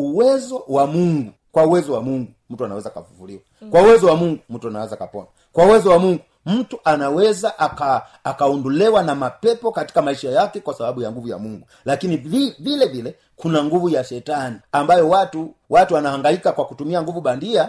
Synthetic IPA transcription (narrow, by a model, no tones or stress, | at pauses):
uwɛzɔwamuŋɡu | kwauwɛzɔwamuŋɡum̩tuana̰wɛzaːka̰vuvuliwakwauwɛzɔwamuŋɡum̩tuana̰wɛzaːkapɔ̰na | kwauwɛzɔwamuŋɡu | m̩tuʔanawɛzaʔakaː | kaɔndɔlɛwanamapɛpɔkati̥kamaiʃajakɛkwasaɓaɓujaŋɡuvuja̰muŋɡu | lakiniivilɛvilɛ | kunaŋɡuvujaʃɛtaniambajɔwatuwatuwanahaŋɡaikakwakutumiaŋɡuvuɓandia